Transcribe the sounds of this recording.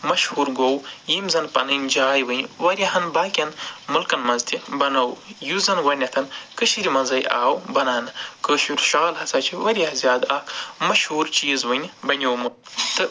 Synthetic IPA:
mɐʃhuːɾɡowjimzɐnpɐ̰nɨnʲd͡ʒaːjʋɨnʲʋɐɾʲɐɦɐnbaːkʲɐnmulkɐnmɐnzt̪ʰibɐnɐwjuzɐnʋɐnʲɐt̪ʰɐnkɨʃiɾimɐnzɐjʔaːwbɐnaːnɨkəːʃuɾʲʃaːlɦɐsɐːt͡ʃʰiʋɐɾʲɐhzjaːd̪ɐkmɐʃhuːɾt͡ʃiːzʋɨnʲbɐnʲowmɨt̪ɨ

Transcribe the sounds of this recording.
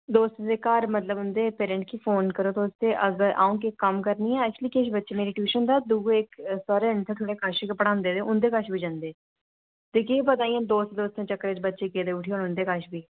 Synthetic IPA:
d̪oːst̪d̪eːkaːɾmət̪ləbʊnd̪eːpeːɾɛ̃ɳʈkiːfʰoːnkəɾoːt̪oːʊst̪eːʔəɡəɾʔa̰ːũːk̬ɪkːəmkəɾniːɛ̃ːɛkt͡ʃliːkeʃbətːʃeːmeːɾiʈuːʃənd̪aːd̪uːɡɪksaːɾeːnt̪ʰẽːt̪ʰoːɽeːkaʃkpəɽãːnd̪eːd̪eːʊnd̪eːkaʃbiːd͡ʒãnd̪eː | t̪eːkeːbət̪aːiːãːd̪oːst̪d̪oːst̪ʰẽːt͡ʃəkːəɾɪt͡ʃbətːʃeːkeːd̪eːʊʈʰioːnʊ̃nd̪eːkaʃbiː

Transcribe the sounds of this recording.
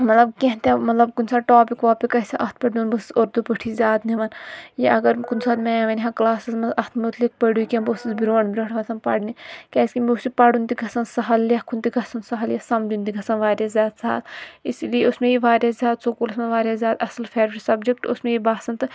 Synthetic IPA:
mɐt̪lɐb̚kʲeɦnt̪ʲemɐt̪lɐbkunsaːʈoːpikʋaːpikɐsɐʔɐst̪̚ʰpɐɖunbɐssoːɾd̪upɐʈʰiːzʲjaːd̪niʋɐnjɐʔɐɡɐɾkunsaːd̪meɐʋɐniɦãklaːsizmɐɐht̪ʰmut̪lik̚pɐɖuːikʲẽmbosisbiɾoːnbiɾoːʈʰʋɐsʰɐnpɐ̰ɽnikʲɛːsʲkimusipɐɽunt̪iɡɐsɐnsɐɦɐlːʲɐkʰunt̪iɡʱɐsɐnsɐɦɐljɐsɐmd͡ʒunt̪iɡʱɐsɐnʋaːɾjaːzʲjaːd̪sɐɦa̰lisilijeusmẽjiʋaːɾʲjaːzʲaːd̪sokulusmeʋaːɾʲjaːzʲjaːd̪ɐsɐlfʰeːɾʋɾiʈsɐbd͡ʒek̚ʈusmẽjibaːsɐnt̪ɨ

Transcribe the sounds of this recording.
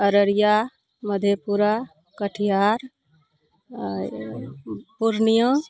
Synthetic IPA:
əɾəɾja | məd̪ʱjepuɾa | kəʈʰijaɾ | puɾnijə̃

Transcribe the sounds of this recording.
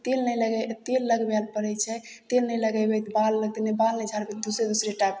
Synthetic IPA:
t̪elnɛjləɡɛjt̪elːəɡbɛlpəɾɛjt͡ʃʰɛt̪elnɛjləɡɛjbɛjt̪balːəɡ̚t̪enebalnəd͡ʒʱaɾked̪usɾed̪usɾeʈajp

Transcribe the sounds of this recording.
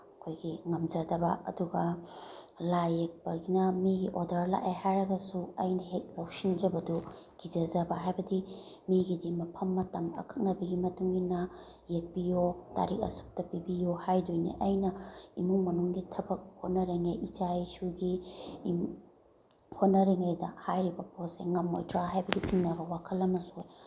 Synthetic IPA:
ɐkʰojɡiŋɐmd͡ʒɐdɐbɐ̰ɐ̰duɡɐ | lajek̚pɐɡinɐmiɡiʔodɐɾla̰ʔeɦajɾɐɡɐsuɐjnɐɦet̚lowsind͡ʒɐbɐduɡ̥id͡ʒɐzɐbɐɦajbɐdi | miɡidimɐpʰɐmːɐtɐmɐ̰kʰɐ̥k̚nɐbɐɡimɐtuŋɡinɐ | jek̚bijota̰ɾik̚ɐ̰su̥k̚tɐpibijohajdojnḭʔɐjnɐimuŋmɐnuŋɡitʰɐbɐk̚hot̚nɐɾeŋejʔid͡ʒajsuɡiim | hot̚nɐɾeŋejdɐhajɾibɐposḛŋɐmːo̰jtɾaɦajbɐɡit͡ʃiŋnɐbɐwakʰɐlːɐmɐsoj

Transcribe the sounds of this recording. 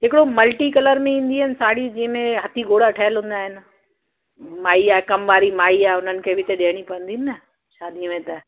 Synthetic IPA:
ɦɪkɪɽomɐlʈikɐləɾmẽĩːn̆d̪iɪnɪ̆saːɽid͡ʑĩːə̃mẽɦɐt̪ʰiɡoːɽaʈʰɐɦəlɦũːn̆d̪aːɦɪnɪ̆ | maːiaːekɐmʋaːɾimaːiaːɦeʊn̤ənɪ̆kʰeːbɪt̪ɐɗeːəɽ̃ipɐʋə̃nd̪inɪnɐ | ʃaːd̪imẽt̪ɐ

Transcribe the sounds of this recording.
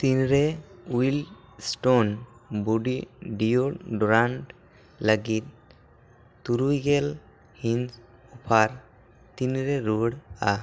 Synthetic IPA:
t̪inɾeujl | sʈonbuɖiɖijoɖɾaɳʈ | ləɡit̪̚ | t̪uɾujɡel | hins | upʰaɾ | t̪inɾeɾuɽa

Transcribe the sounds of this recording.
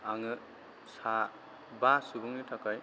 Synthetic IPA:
aŋɯ | sa | basubuŋnitʰakaj

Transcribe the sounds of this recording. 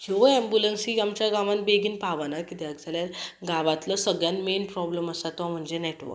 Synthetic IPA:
keʋəɛmbjulənsiamt͡ɕjaɡãʋãnbeɡiːnpaʋanakit̪ɛaɡd͡zaljanɡaʋat̪ləsəɡɭjanmenpɾɔbləməsat̪ɔm̤əɳd͡zenɛʈʋə̰

